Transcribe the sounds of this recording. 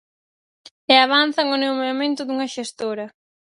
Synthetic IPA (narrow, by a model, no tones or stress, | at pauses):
eaβ̞anθɐŋʊnewmeamẽnt̪ʊðuŋɐʃest̪oɾɐ